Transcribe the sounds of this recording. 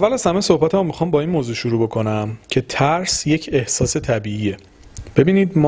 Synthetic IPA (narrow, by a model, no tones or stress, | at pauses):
ævːælæzhæmejso̞hbæt̪ʰæmomːixɒːmbɒːiːnmoːzuːʃuɾuːbo̞kʰo̞næmcʰe̞t̪ʰæɾsjecʰe̞hsɒːse̞t̪ʰæbiːiːje̞ | b̥e̞biːniːd̪m